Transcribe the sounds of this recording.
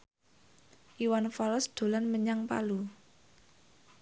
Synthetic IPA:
ʔiwanfaləsd̪̥o̤lanməɲaŋpa̰lu

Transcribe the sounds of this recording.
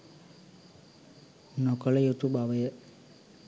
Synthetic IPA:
nokələjut̪ubaʋəjə

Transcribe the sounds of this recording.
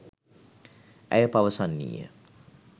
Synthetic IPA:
ʔɛ̰jəpaʋəsanːḭːjə̰

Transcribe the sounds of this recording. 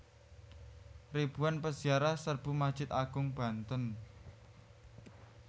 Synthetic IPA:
rib̥uanpəsiaɾahsərb̥ṳmad̥ʒ̥ɪt̪aɡ̥ʊŋb̥a̤nt̪ən

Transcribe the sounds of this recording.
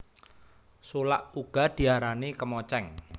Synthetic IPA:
solaʔuɡ̥a̤d̪̥i̤aɾanekəmɔt͡ʃɛŋ

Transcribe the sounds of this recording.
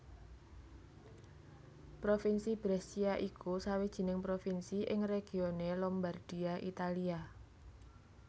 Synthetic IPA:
pɾofinsib̥ɾɛsiaʔikusawid̥ʒ̥i̤nɪŋpɾofinsiʔɪŋreɡ̥i̤onelɔmbard̥i̤aʔit̪alia

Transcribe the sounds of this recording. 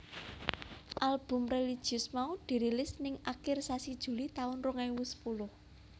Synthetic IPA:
ʔalb̥ʊ̤mrelid̥ʒ̥iʊsmaud̪̥i̤ɾilɪsnɪŋakɪrsasid̥ʒ̥ṳlit̪aʊnrʊŋaiwusə̥pulʊh

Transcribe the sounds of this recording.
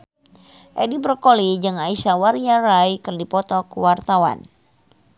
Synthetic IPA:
ʔɛdibrkolid͡ʒɨŋaisawarjaɾajkərdipɔt̪ɔkwart̪awa̰n

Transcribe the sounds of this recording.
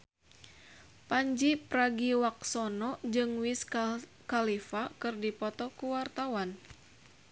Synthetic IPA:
paɲd͡ʒipɾaɡiwak̚sɔnɔd͡ʒɨŋwis | kalifakɨrdipɔt̪ɔkuwart̪awan

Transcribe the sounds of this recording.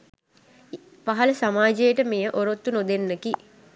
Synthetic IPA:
paɦɐləsamaːd͡ʒejəʈəmejəʔoɾot̪ːunod̪enːəki

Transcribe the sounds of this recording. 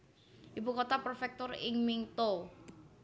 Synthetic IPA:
ʔipukot̪apərfɛk̚t̪ɔrɪ̰ŋmiŋt̪o

